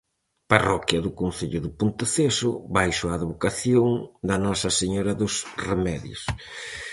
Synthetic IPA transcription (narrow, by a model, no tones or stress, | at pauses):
parɔkjɐðʊkõnθeʎʊðɪpont̪eθesʊβajʃʊaːðβokaθjoŋd̪ɐnɔsɐseɲɔɾɐðʊsremɛðjo̰s